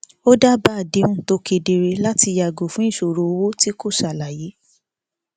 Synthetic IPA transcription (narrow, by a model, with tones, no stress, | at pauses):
o˦da˦ba˦˨de˨˦ũ˦˨to˧ke˧de˧ɾe˧la˦ti˧ja˨ɡo˨fũ˨˦i˦˨ʃo˨ɾo˨o˧wo˦ti˦ko˦˨ʃa˨la˨je˨˦